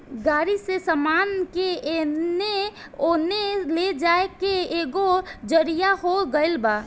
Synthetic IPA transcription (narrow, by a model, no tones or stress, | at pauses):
ɡaɾisesəmankeene | oneled͡ʒaekeeɡod͡ʒəɾijaɦoɡəɪlba